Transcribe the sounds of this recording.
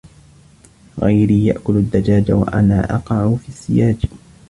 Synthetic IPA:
ɣajɾiːja̰ʔkʊlad̪ːad͡ʒaːd͡ʒawa̰ʔa̰naːʔɑqɑʕfisːɪjaːd͡ʒ

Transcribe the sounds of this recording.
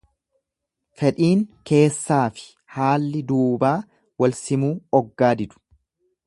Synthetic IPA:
fɛᶑʼiːŋke̞ːsːaːfɪ̥ | haːlːɪd̪uːbaː | wɐlsɪmuːɔɡːaːd̪ɪd̪ʊ̥

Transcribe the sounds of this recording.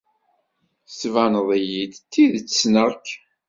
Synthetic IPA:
svænəðˤjid̪t̪ːiðt͡sːsnəɾk

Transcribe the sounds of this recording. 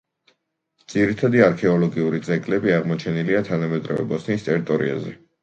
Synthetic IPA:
d̪z̥iɾit̪ʰad̪iaɾkʰɛɔlɔɡiuɾit̪sʼɛɡʼlɛbiaʁmɔt͡ʃʰɛniliat̪ʰanamɛd̪ɾɔ̰vɛ̰bɔsnist̪ʼɛɾit̪ʼɔɾḭa̰zɛ

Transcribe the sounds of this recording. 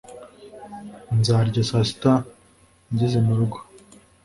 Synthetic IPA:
nzaːɾɟasasi̥ta | ɲɟezenuɾuɡḁ

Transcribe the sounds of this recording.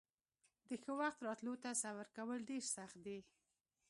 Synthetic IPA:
d̪əxəwaxt̪ɾɑt̪lot̪asawaɾkawəlɖeɾsaxt̪̚d̪e

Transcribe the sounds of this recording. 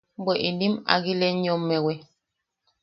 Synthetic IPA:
mbɔʔindima̰ɡilɛɲɔmːɛwɛ

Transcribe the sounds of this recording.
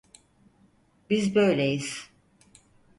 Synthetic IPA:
bizbø̞jlʲejiz̥

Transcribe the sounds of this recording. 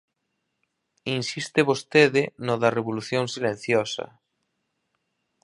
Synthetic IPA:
insist̪eβost̪eðenoðɐreβoluθjoŋsilẽn̟θjosɐ̰

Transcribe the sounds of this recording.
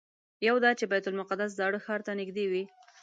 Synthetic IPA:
jawd̪ɑt͡ʃebajt̪ʊlmʊqad̪as̬d̪ɑɽəxɑɾt̪anɪɡd̪ewi

